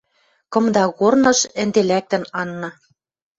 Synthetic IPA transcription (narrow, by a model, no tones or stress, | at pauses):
kɤ̆md̪ɑɣornɤ̆ʃɘ̆nd̪elæk̚t̪ɘ̆nɑnːɑ̆